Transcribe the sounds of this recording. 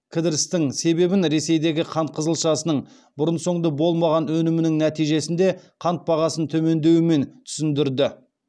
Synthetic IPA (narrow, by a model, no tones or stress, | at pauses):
kʲʰɪd̪ɪɾɪst̪ɪŋse̞be̞bɪnɾe̞se̞jd̪e̞ɡʲɪqʰɑnt̪̚qʰəzəlˠʃɑsənəɴ | bʊɾənso̞ɴd̪əbo̞lˠmɑʁɑnwɵnɪmɪnɪŋnæt̪ijʒe̞sɪnd̪e̞qʰɑnt̪̚bɑʁɑsənt̪ʰɵme̞nd̪e̞wɪme̞nt̪ʰʏ̥sɪnd̪ɪɾd̪ɪ